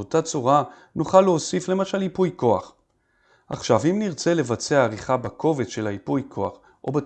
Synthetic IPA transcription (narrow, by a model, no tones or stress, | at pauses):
otat͡suʁa | nuχaleosifle̞maʃalipujko̞aχ | a̰χʃavimniʁt͡se̞le̞vat͡seaːʁiχabakʰo̞vet͡sʃe̞lhaipujkʰoaχ | ʔo̞̰be